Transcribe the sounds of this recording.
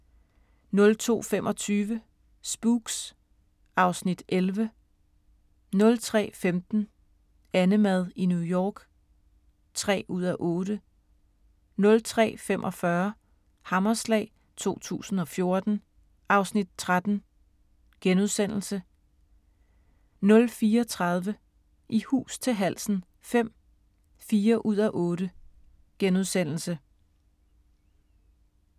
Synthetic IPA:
nɔ̽lt͡sʰo̝̰ːfemʔɒ̽t͡sʰyːʋə | sb̥uːɡ̥s | ɑ̈ʊsnid̥ʔelʋə | nɔ̽lt͡sʰʁɛ̰ːfemd̥n̩ | ænəmæð̞ˠinujɒːɡ̥ | t͡sʰʁɛ̰ːuð̞̰ˠæʔɔ̽ːɾ̥ə | nɔ̽lt͡sʰʁɛ̰ːfem̰ʔɒ̽fɶɐ | hɑ̈mɐslɛ̰ːɪ | t͡sʰo̝̰ːt͡sʰṵːsn̩ɒ̽fjo̝ɐd̥n̩ | ʔɑ̈ʊsnid̥̚t͡sʰʁad̥n̩ | ɡ̥enuðˠsen̰l̩sə | nɔ̽lfiːɐt͡sʰʁɑ̈ð̞ˠʋə | ʔihṵːst͡sʰe̝ɦæl̰sn̩ | fem̰ | fiːɐʔuð̞̰ˠæʔɔːɾə | ɡ̥enuð̞ˠsen̰l̩sə

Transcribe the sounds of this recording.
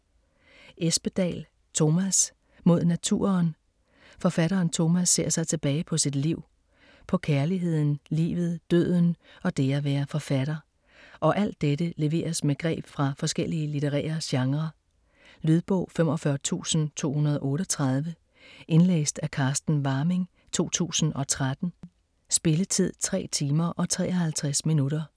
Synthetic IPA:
ʔesb̥əd̥ɛ̰ːl | t͡sʰo̝mæs | mo̝ð̞̰ˠnæt͡sʰṵːɐn | fɒ̽fæɾɐːnt͡sʰo̝mæsːe̝ɐsɑ̈ɪt͡sʰe̝b̥ɛːɪpʰɒ̽sid̥liʊ̰ | pʰɒ̽kʰæɐliɦe̝ð̞̰ˠn̩lḭːʋð̞̩ˠd̥ø̰ð̰ˠn̩ɒ̽d̥e̝æʋæːɐfɒ̽fæɾ̥ɐ | ʔɒ̽ʔæl̰d̥ːeɾəle̝ʋe̝̰ːɐsmeɡ̥ʁɛ̰ːb̥fʁɑ̈fɒ̽sɡ̥el̰iəlit͡sʰeʁɛ̰ːɐɕɑ̈ŋʁɐ | lyðˠb̥ɔʊ̰fem̰ɒ̽fɶɐt͡sʰṵːsn̩t͡sʰo̝̰ːhunɐð̞ˠɒ̽ʔɔ̽ːɾɒ̽t͡sʰʁɑ̈ð̞ˠʋə | ʔe̝nlḛːsd̥ækʰɑ̈ːsd̥n̩ʋɑ̈ːme̝ŋ | t͡sʰo̝̰ːt͡sʰṵːsn̩ɒ̽t͡sʰʁad̥n̩ | sb̥e̝lət͡sʰið̞̰ˠt͡sʰʁɛ̰ːt͡sʰiːmɐʔɒ̽t͡sʰʁɛ̰ːɐhælt͡sʰʁɛsminuɾɐ

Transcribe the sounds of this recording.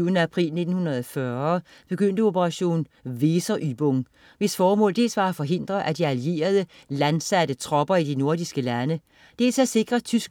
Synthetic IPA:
ʊənəæpʰʁḭːlne̝d̥n̩hunɐðˠɒfɶːɐ | b̥e̝ɡ̥øn̰d̥əo̝pʰəʁɑ̈ɕo̝̰ːn̩ | ʋe̝ːsɐʔyb̥ɔŋ | ʋe̝sfɒːmɔ̰ːld̥e̝̰ːlsʋɑ̈æfɒ̽ɦe̝n̰d̥ʁɐʔæd̥iælie̝̰ːɐð̞ˠə | lænsæɾ̥ət͡sʰʁɒ̽b̥ɐid̥ino̝ɐdisɡ̥əlænə | d̥e̝̰ːlsæse̝ɡ̥ʁɐt͡sʰysɡ̥

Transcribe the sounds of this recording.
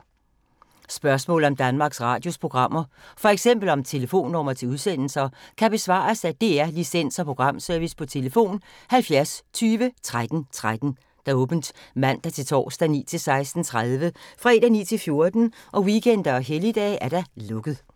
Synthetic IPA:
sb̥ɶɐsmɔ̰̽ːlð̩ˠɒ̽md̥ænmɑ̈ːɡ̥sʁɑ̈ːd̥jo̝spʰʁo̝ɡ̥ʁɑ̈m̰ɐfɒ̽eɡ̥sem̰b̥l̩ɒ̽mt͡sʰe̝ləfo̝̰ːnːɒmɐt͡sʰe̝uð̞ˠsen̰l̩sɐkʰæb̥e̝sʋɑ̰̈ːsæd̥e̝æɐlisen̰sɒpʰo̝ɡ̥ʁɑ̈m̰sœɐʋispʰɒ̽t͡sʰe̝ləfo̝̰ːnhælfjæɐst͡sʰyːʋət͡sʰʁad̥n̩t͡sʰʁad̥n̩ | d̥ɑ̈ɔːb̥n̩d̥mæn̰d̥ɑ̈t͡sʰe̝lt͡sʰɒ̰ːsd̥ænḭːt͡sʰe̝lsɑ̈ɪsd̥n̩t͡sʰʁaðˠʋəfʁɛd̥ænḭːt͡sʰe̝lfjo̝ɐd̥n̩ʔɒ̽wikʰen̰d̥ɐɒɦelid̥ɛ̰ːʔæɐɾ̥ælɔ̽ɡ̥ð̩ˠ

